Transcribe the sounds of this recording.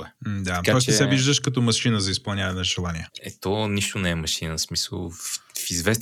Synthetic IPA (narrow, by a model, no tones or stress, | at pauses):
ɛd̪aɐkaɔst͡ʃsɛviʒd̪əʃkɐt̪ɔmɐʃinəzɐispɐlˠnʲavɐnɛnʒɛlˠaniəɛt̪ɔniʃt̪onɛɛmɐʃinəsmisə̰lˠffizvɛs